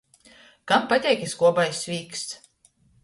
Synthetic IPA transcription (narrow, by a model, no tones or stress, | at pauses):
kampat̪ʲɛjkʲiskuɔbajsʲvʲiːks